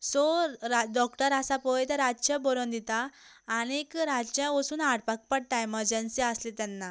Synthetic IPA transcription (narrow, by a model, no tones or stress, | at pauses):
sɔaɖɔkʈəɾasapɔjt̪əɾad͡ʑt͡ɕãbɔɾond̪it̪aː | ñekɾad͡zt͡ɕãʋəsuːnaɽpak̚pəɽʈajməɾd͡ʑənsiəslet̪anːa